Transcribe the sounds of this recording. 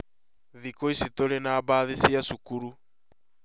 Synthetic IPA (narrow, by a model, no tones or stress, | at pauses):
ðikoisitoɾenaːbaðisiasukuɾu